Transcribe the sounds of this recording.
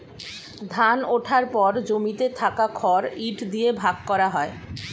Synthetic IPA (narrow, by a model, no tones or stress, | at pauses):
d̪ʱanoʈʰaɾpɔɾd͡ʑomit̪et̪ʰakakʰɔɾiʈʰd̪ijebʱaɡkɔɾaɦɔe